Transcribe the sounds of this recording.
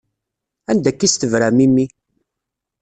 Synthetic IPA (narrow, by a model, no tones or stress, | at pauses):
ænd̪ækːist̪əvɾæmimːi